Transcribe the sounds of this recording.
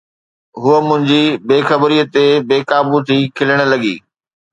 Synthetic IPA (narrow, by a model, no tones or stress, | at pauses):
ɦuəmʊ̃ɦɪ̃ɲd͡ʑibeːxɐbɾiːət̪ebeːkaːbut̪ʰiːkʰɪləɽ̃ə̆lɐɠḭː